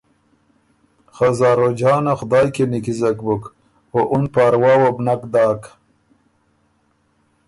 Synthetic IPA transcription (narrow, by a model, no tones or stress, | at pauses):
xazaːɾod͡ʑaːnaxʊd̪aːjkenikizɐkbuk | oʔunpaːɾwaːwobnakd̪aːk